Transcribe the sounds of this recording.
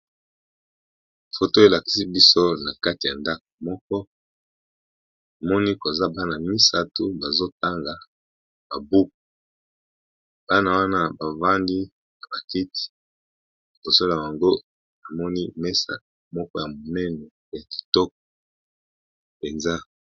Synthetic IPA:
fo˨to˦e˨la˨ki̥˦si˦bi˦so˦na˨ka˦ti˨ja˨nda˦k̚o̥˨mɔ˦k̚ɔ˦ | a˨mɔ˦ni˦ko˨za˦ba˦na˨mi˦sa˦to˦ba˨zo˦ta˦ŋɡa˨ | ba˨bu˦k̚u˨ | b̥a˦na˦˨wa˦na˦ba˨va˦ndi˦ | na˨ba˨ki˦ti̥˨ | i˨bo˨so˦la˨ja˨ŋɡo˦ | na˨mɔ˦ni˦mɛ˦sa̰˨ | mɔ˦kɔ˦ja˨mo˨nɛ˦nɛ˨ | ja˨ki̥˨tɔ˦k̚ɔ̥˨ | pe˨nza˦

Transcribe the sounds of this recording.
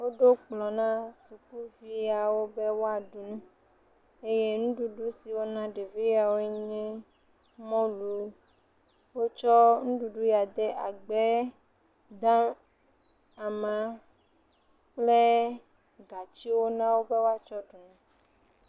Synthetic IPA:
wo˦ɖo˦k͡plɔ˨nã˦su˨ku˦vi˦a˨wo˦be˦wo˦a˨ɖu˨nɛ̃˦ | e˦je˦nũ˦ɖu˨ɖu˦si˨wo˦nã˦ɖe˨vi˦ja˨wo˦e˦ɲɛ̃˦ | mɔ̃˦lu˨ | wo˦t͡ʃɔ˦ŋũ˦ɖu˨ɖu˦ja˨d̪e˦ʔa˨ɡ͡be˦ | d̪ã˦ | a˨mã˨ | k͡ple˦ | ɡa˨t͡ɕi˦wo˦nã˦wo˦be˦wo˦a˨t͡ʃɔ˦ɖu˨nũ˨

